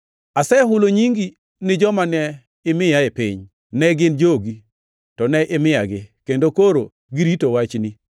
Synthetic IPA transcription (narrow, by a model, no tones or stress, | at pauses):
asɛɦʊloɲiŋɡi | nɪd͡ʒɔmanɛ | ɪmɪjaɪpɪ̰ɲ | nɛɡɪnd͡ʒoɡi | tɔnɛʔɪmɪjaɡɪkendokoɾo | ɡiɾitowat͡ʃni